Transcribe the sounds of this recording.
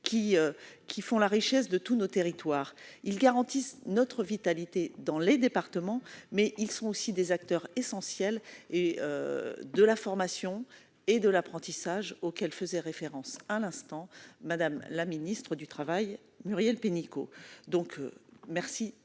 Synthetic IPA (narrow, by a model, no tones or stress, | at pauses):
kʲiøkʲifɔ̃laʁiʃɛs̬d̪ət̪unot̪eʁit̪waːʁilɡaʁɑ̃t̪isnɔt̪χəvit̪alit̪ed̪ɑ̃led̪epaʁt̪əmɑ̃mɛʔilsɔ̃osid̪ezak̚t̪œʁesɑ̃sjɛleø̰d̪əlafɔʁmasjɔ̃ | ed̪əlapχɑ̃t̪isaʒokɛlfəzɛʁefeʁɑ̃salɛ̃st̪ɑ̃mad̪amlaminist̪χəd̪yt̪χavaj | myʁjɛlpeniko̰d̪ɔ̃kmɛʁsi